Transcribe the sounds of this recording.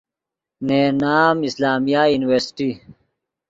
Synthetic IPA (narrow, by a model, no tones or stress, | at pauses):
neːnaːmislaːmijajuːniweɾsi̥ʈi